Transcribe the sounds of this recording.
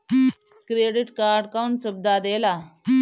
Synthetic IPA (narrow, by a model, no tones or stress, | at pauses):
kɾeɖiʈkaɾɖkauɳʈsəb̚d̪ad̪ela